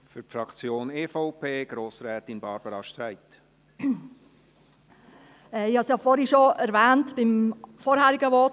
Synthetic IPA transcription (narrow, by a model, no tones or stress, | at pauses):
fyɾpfɾɑkt͡sjoːneːfɔʊpʰeːɡ̥ɾoːsɾɛːt̪ɪnbɑːɾbəɾɑʃtɾæɪt̪ | ɛɪhɑsjɑfɔɾhiʃoɛɾvɛːntb̥ɪmfɔːɾhæːɾɪɡəʋɔt